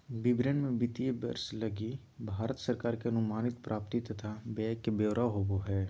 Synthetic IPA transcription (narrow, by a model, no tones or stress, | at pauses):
bɪbɾənmẽbɪt̪iebɐ̰ɾslɐɡi | bʱaːɾət̪sɐɾkaːɾkeɐnʊmaːnɪt̪pɾʔaːpt̪it̪ɐt̪ʰabɛːkːebeːʋɾʔaɦoːboɦɛː